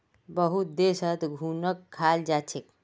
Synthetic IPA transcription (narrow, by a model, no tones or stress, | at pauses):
bəɦut̪̚d̪esət̪ɡʱunəkʰːald͡ʒat͡ʃʰek